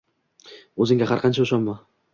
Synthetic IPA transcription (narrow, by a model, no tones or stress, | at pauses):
ɵzɪŋɡʲaɦaɾqʰɑnt͡ʃʰaʊʃɒnma